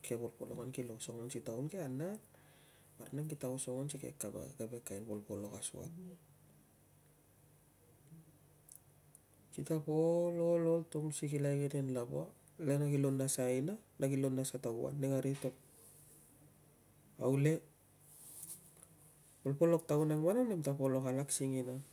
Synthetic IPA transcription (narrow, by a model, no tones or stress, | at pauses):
kʰepolpo̰lokankilosoŋonsitaunkeana | baɾnaŋkitaosoŋonsikḛkaba̰kebekajnbolpolo̞kasṵa̰t̚ | kitapolololtoŋsikilajkedenlabo̰a | lenaɡilonːasainanaɡilo̞nːasataɡua̰nːeŋaɾito̞p̚ | awle̞ | polpo̞lo̞k̚tauneŋmananemtapolo̞kalaksiŋina